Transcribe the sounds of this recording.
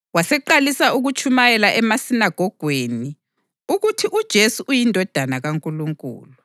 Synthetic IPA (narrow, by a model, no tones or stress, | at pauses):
wasɛǃalisauɣut͡ʃʰʼumajɛlaʔɛmasinaɡ̥ʱɔɡ̥ʱweni | uɣutʰiʔud̥ʒ̥ʱesuʔujindʱɔd̥ʱanaɣaŋkʼuluŋkʼṵːlu